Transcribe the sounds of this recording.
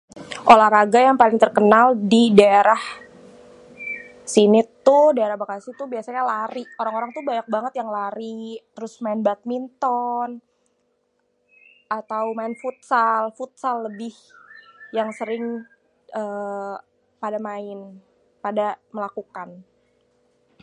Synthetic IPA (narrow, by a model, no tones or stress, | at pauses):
ʔolahɾaɡajaŋpalɪŋt̪ərkənaldidaeɾah | sinɪt̪ːʊhdaeɾahbakasɪt̪ʊbiasaɲalaɾioɾaŋoɾaŋt̪ubaɲak̚baŋət̪jaŋlaɾit̪əɾʊsmaɪnbat̪̚mint̪ɔn | at̪awmaɪnfut̪̚salfut̪̚salːəbɪh | jaŋsəɾɪŋ | əː | padamaɪn | padaməlakukan